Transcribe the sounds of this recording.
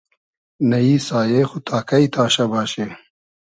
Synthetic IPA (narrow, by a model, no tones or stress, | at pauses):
nɐiːsaːjexut̪ʰaːkait̪ʰaːɕɐbaːɕe